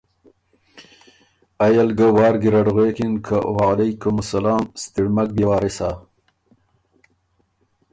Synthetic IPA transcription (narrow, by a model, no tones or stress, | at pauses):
ajalɡawɑːɾɡiɾaɖɣeːkinkʰawaalajkumʊsalɑːmst̪iɽmak̚bewaːɾisa